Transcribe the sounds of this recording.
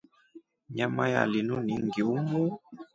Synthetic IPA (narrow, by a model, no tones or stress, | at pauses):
ɲamaja̰linuniŋɡiumu